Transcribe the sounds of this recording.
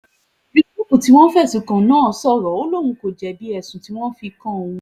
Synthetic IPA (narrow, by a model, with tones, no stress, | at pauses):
bi˦ku˦kũ˨ti˨˦w̃ɔ̃˦fɛ˦˨sũ˨kã˨nãː˦˨sɔ˦˨ɾɔ˨˦o˦lo˦˨w̃ũ˧ko˨d͡ʒɛ˨bi˨˦ɛ˦˨sũ˨ti˨˦w̃ɔ̃˦fi˧kã˦õ˧ũ˧